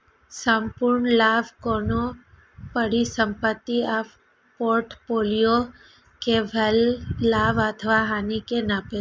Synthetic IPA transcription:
səmpuɾɳlaːʋkono | pəɽisə̃mpət̪ːia | poːɾʈpoːlijo | kebʱəlːaːʋət̪ʰʋaɦanikenaːpe

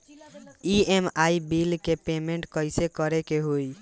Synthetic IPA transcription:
iemaibilkepemeɳʈkəɪsekəɾekeɦoj

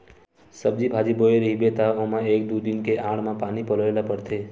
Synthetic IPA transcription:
səb̚d͡ʒibʱaːd͡ʒiboeɾəɦibet̪aomãeːk̚d̪ud̪inkeʔãːɽ̤mãpaːnipoləelapəɽt̪ʰe

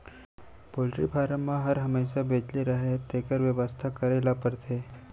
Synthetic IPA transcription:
polʈɾḭːfaɾəmːaɦəɾɦəmesabʱet͡ʃliɾaɦet̪ekəɾʋjəʋəst̪ʰakəɾelapəɾt̪ʰe

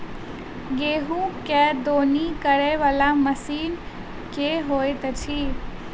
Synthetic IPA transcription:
ɡeːɦũːkɛːd̪oːnikəɾeʋaːlaməsiːn | keːɦoːet̪ɐt͡ʃʰiː

